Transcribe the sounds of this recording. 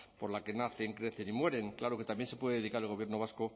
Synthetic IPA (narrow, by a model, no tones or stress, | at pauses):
po̞ɾlake̞naθe̞ŋkɾe̞θe̞nimwe̞ɾe̞ŋklaɾo̞ke̞t̪ambje̞nse̞pwe̞ðee̞ðikaɾelɣ̞o̞βje̞ɾno̞β̞asko̞